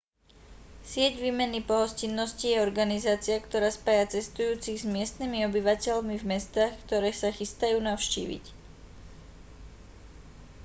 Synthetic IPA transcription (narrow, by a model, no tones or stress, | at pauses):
sɪɛɟʋiːmɛnipɔɦɔscinːɔscijɛɔɾɡanizaːt͡sɪakt̪ɔɾaːspaːjat͡sɛst̪ujuːt͡siɣzmɪɛst̪nimiɔbiʋacɛʎmivmɛst̪aːxkt̪ɔɾɛːsaxist̪ajuːnaʊʃcḭːʋḭc